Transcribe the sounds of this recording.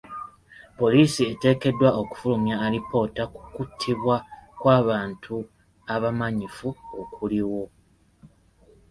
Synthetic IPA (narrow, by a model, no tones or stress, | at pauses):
po̞liːsie̞te̞ːke̞dːwao̞ku̥fulumjaːlipo̞ːtaku̥kutʰːiβwakwaːβaːntʰu | aβamaɲifuokʰuliwo̞